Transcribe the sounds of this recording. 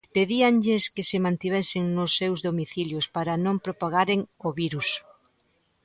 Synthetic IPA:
peðiaŋʎɪskɪsɪmãnt̪iβɛsɪŋnʊsːewzðomiθiljʊspaɾɐnõmpɾopaɣ̞aɾeŋoβiɾus

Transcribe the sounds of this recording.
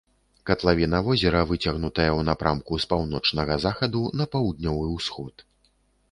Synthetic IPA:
kɐt̪lˠavʲinɐvɔzʲɛɾɐvɨt͡sʲɐɣnut̪ɐjɐwnapɾamkuspawnɔt͡ʂnɐɣɐzaxɐd̪unɐpawd̪nʲɔvɨwsxɔt̪

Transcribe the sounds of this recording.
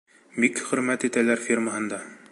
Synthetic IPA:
bikχɵ̆ɾmæt̪it̪ælæɾfʲirməɦɤ̆nd̪ɑ

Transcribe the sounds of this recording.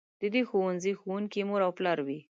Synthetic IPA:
d̪̥əd̪exowanzixowuŋkimoɾawplaɾwi

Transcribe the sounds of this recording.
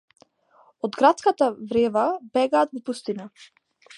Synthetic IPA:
ɔd̪ɡɾat̪skat̪avɾɛvabɛɡaːt̪vɔpust̪ina

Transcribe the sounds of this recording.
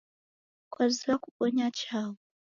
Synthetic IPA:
kwaziakuɓɔɲat͡ʃaːwɔ

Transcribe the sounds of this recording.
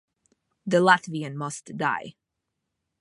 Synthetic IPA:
ðəlætviɨ̃nmʌstd̥a̰ɪ

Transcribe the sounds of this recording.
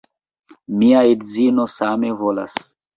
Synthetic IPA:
miaedzinosame̞vola̰s

